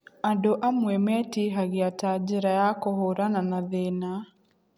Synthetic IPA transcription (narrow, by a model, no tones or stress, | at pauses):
adoʔamwɛmɛtiɦaɣeatad͡ʒeɾajakohoɾananaðena